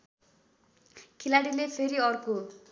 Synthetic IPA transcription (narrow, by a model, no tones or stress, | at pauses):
kʰilaɽilepʰeɾiʌrko